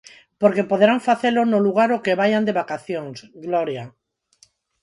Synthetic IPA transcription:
poɾkepo̞ðɾaɱfaθelonoluɣ̞aɾokeβajand̪e̞βakaθjoŋsɡloɾja

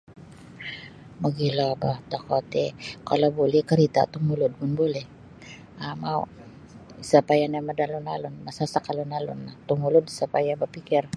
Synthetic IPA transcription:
maɡilobat̪akot̪ɛkalabulɪkaɾit̪a̰t̪ʊŋulʊd̪̚mʊnbulɛ | ʔamaw | sapajanamad̪alonalonmasasakalʊnalo̰nːat̪ʊŋulʊd̪sapajabapikɛɾ

